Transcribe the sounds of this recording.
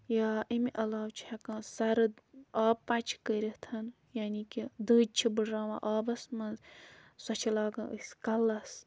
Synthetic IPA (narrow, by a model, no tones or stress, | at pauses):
jaːʔimiʔɐlaːwt͡ʃʰihɐkãsɐɾɨaːpɐt͡ʃʰkəɾʲit̪ʰɐn | jaːnikid̪ɨːd͡ʒ̚t͡ʃʰibɨɽɾaːʋã̰ʔaːbɐsmɐnzsɐt͡ʃʰilaːɡɐ̃ːʔə̰sʲkɐlːɐs